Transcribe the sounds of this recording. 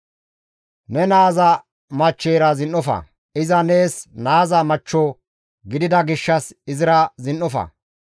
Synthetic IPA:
nɛnaːzɐ | mɐt͡ʃːeːɾɐzɪnʔɔfɐ̰ | ɪzɐneːsnaːzɐmɐt͡ʃːɔ | ɡɪd̪ɪd̪ɐɡɪʃːɐsɪzɪɾɐzɪnːɔfɐ̰

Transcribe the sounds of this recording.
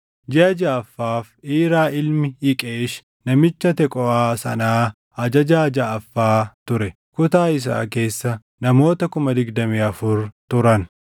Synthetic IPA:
d͡ʒɪɐd͡ʒɐɐfːaːfʔiːɾaːʔɪlmɪɪkʼeːʃ | nɐmɪt͡ʃːɐt̪ɛkʼɔaːsɐ̰naː | ɐd͡ʒɐd͡ʒaːd͡ʒaːɐfːaːt̪ʊɾɛ | kʊt̪aːɪs̬a̰ːke̞ːsːɐ | nɐmo̞ːt̪ɐkʊmɐd̪ɪɡd̪ɐmiːɐfʊɾt̪ʊɾɐn

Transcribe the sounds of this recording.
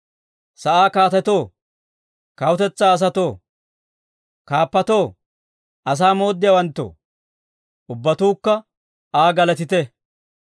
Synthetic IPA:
sɐʔaːkaːt̪ɛt̪o̞ː | kɐwʊt̪ɛt͡sːaːs̬ɐt̪o̞ː | kaːpːɐt̪o̞ː | ɐs̬aːmo̞ːd̪ːɪjawɐnt̪ːo̰ː | ʊbːɐt̪uːkːɐ | aːɡɐlɐt̪ɪt̪ɛ

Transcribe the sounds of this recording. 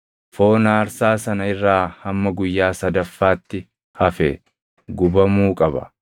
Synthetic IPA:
fo̞ːnaːɾsaːsɐnɐɪrːaːhɐmːɐɡʊjːaːsɐd̪ɐfːaːt̪ːɪ | hɐfɛ | ɡʊbɐmuːkʼɐbɐ̰

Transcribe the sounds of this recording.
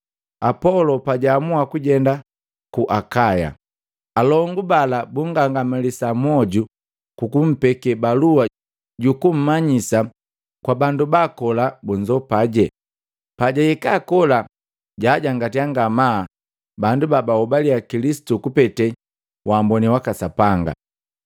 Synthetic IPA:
apɔlɔpaɟaːmuakuɟɛnda | kuʔakaja̰ | alɔŋɡubalabuŋɡaŋɡamilisamɔɟu | kukum̩pɛkɛbalua | ɟukum̩maɲisa | kwabandubakɔlabuɲd͡ʒɔpaɟɛ | paɟajɛkaːkɔla | ɟaːɟaŋɡatiaŋɡama | bandubabaɔbaliakilisi̥tukupɛtɛ | wambɔniwakasapaŋɡa̰

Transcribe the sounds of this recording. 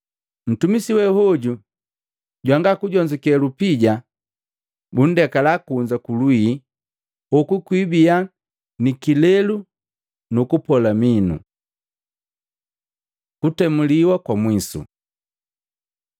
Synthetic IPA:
n̩tumisiwɛhɔɟu | ɟwaŋɡakuɟɔɲd͡ʒɔkɛlupiɟa | bun̩dɛkalakuɲd͡ʒakului | ɔkukwibia | nikilɛlu | nukupɔlaminṵ | kutɛmuliwakwamwisṵ

